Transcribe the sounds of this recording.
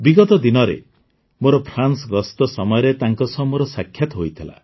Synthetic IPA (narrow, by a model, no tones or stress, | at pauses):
biɡɔt̪ɔd̪inɔɾḛ | moɾɔpʰɾansɡɔst̪ɔsɔmɔjɔɾet̪aŋkɔsɔɦmoɾɔsakʰːjat̪ɔɦojt̪ʰila̰